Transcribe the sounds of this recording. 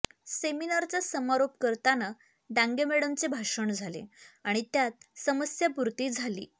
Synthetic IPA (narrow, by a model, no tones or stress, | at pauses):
seminaɾt͡sjasəmaɾop̚kəɾt̪ana | ɖãŋɡemeɽəmt͡sebʱaʂəɳd͡zʱalḛaɽ̃it̪jat̪səməsjapuɾt̪iːd͡zʱalḭː